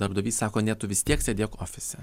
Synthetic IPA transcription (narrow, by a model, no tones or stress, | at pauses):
d̪ɐɾbd̪ɐʋʲiːssɑːkoːnʲɛt̪ʊʋʲɪsʲt̪ʲiɛksʲɛd̪ʲeːjokoːfʲɪsʲɛ